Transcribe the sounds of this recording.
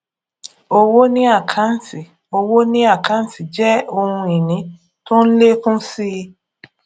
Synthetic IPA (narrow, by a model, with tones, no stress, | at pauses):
o˧wo˦nĩ˦a˦˨kʰã˨˦n̩˦si˨ | o˧wo˦nĩ˦a˦˨kʰã˨˦n̩˦si˨d͡ʒɛ˦o˧hũ˧e˨nĩ˨˦ | to˦n̩˦le˦fũ˦si˦˧